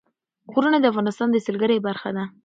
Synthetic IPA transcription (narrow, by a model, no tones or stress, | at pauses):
xoɾunad̪əafɣɑnɪst̪ɑnd̪əsəlɡəɾebaɾxa̰d̪a